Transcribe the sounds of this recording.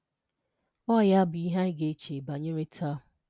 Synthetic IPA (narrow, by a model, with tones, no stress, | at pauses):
ɔ˦˨ja˦bʊ˨i˦ɦa˦ɪ˦ɡe˦t͡ʃe˨ba˨ɲe˦ɾe˦tʰa˦˨